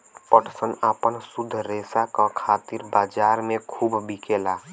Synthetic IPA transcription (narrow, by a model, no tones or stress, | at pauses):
pəʈʰsənaːpənsud̪ʱːɾesakakʰaːt̪iɾbaːd͡ʒaːɾmẽkʰuːbbikeːlaː